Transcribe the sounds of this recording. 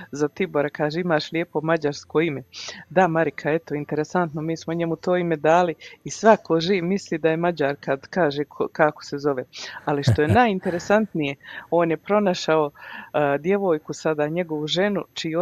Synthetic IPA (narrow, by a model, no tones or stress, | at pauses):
zat̪iboɾakaːʒeimaːʃlʲjeːpo̞mad͡ʑaɾsko̞ime̞d̪amaɾikʰae̞t̪o̞int̪e̞ɾesant̪nomiːsmo̞ɲe̞mut̪o̞ːime̞d̪aːliisʋakʰo̞ʒiːʋmisliːd̪aje̞mad͡ʑaːɾkad̪kaːʒekʰokako̥se̞zo̞ʋealiʃt̪o̞jenaːjint̪e̞ɾe̞sant̪nije̞o̞ːnjepɾo̞naʃao̞d̪je̞ʋo̞ːjkusad̪aːɲe̞ɡo̞ʋuʒe̞nut͡ʃijo